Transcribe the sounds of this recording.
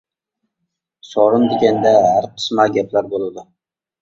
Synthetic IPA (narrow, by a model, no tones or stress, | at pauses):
sɒɾɪnd̪eɡʲand̪ahaɾqʰɨ̥smaɡʲaplaɾbolˠɪd̪ɪ